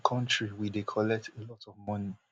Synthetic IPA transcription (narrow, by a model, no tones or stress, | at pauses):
kʰɔ̃ntɹiwidekʰɔlɛk̚tʰelɔtɔvmʌni